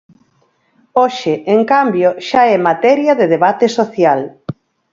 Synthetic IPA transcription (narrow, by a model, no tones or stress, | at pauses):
oʃɪʔeŋkambjoʃaɛmat̪ɛɾjɐðeðeβat̪esoθjal